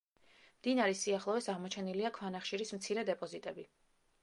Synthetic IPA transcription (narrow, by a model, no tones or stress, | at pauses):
md̪inaɾisiaχlˠɔvɛsaʁmɔt͡ʃʰɛniliakʰwanaχʃiɾismt̪sʰiɾɛd̪ɛpʼɔzit̪ʼɛbi